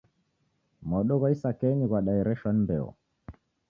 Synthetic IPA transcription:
mɔɗɔɣɔisakɛɲiɣwaɗaɛɾɛʃɔnmbɛɔ̰

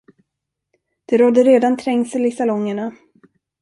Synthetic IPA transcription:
d̪̥ɛɾɔd̪ːəɾeːd̪ant̪ʰɾɛŋsɛlɪsalɔŋːəɳa

